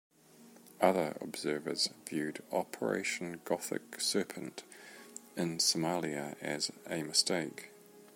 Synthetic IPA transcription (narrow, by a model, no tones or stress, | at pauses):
ʌðə˞ə̰bz̥ɜːvəzvjʉːdɒpʰəɹḛɪʃə̃nɡɒθɪ̰ksɜˑpʰə̃nt | ɪ̃nsəmalˠiəəzəməsteɪk